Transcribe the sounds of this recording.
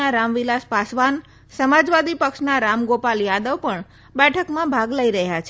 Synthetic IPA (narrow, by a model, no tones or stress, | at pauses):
aɾamʋilaspasʋan | səmad͡ʒʋad̪ipəkʃnaɾamɡopaljad̪əʋpəɳ | bɛʈʰəkmãbʱaɡləiɾəɦjat͡ʃʰe